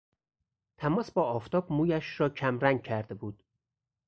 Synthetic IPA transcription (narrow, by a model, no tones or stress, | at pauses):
t̪ʰæmɒːsbɒːft̪ʰɒːb̥muːjæʃɾɒːcʰæmɾæŋɡ̚cʰæɾd̪e̞buːd̪̥